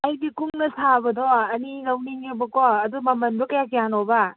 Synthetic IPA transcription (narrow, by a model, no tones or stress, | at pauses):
ajdikuŋnɐsʰabɐdɔɐnilawniŋebɐkɔɐdumɐmɐnbɐkɐjakijanɔba